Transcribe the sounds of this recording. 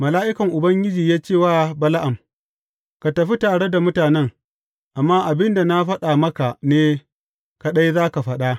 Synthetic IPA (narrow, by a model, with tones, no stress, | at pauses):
mɐ˨laː˦ʔɪ˦kɐ˨ŋʔʊ˨bɐ˦ŋɡʲɪ˦d͡ʒiː˨jaː˦t͡ʃeː˦˨waː˦bɐ˦la˦ʔa˨m | ka˨tɐ˨ɸi˦taː˨ɽe˦da˨mʊ˦taː˨nɛ˦ŋ | ʔa˨mːaː˦ʔa˨bɪ˦nda˨na˦ɸɐ˦ɗa˨mɐ˦ka˨neː˦ | ka˨ɗa˦jzaː˦ka˨ɸɐ˦ɗa˦